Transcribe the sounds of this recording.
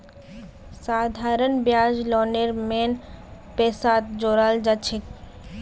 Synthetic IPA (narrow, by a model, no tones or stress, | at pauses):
sad̪ʱaɾənbjad͡ʒlɔneɾmen | pesat̪d͡ʒoɾald͡ʒat͡ʃʰek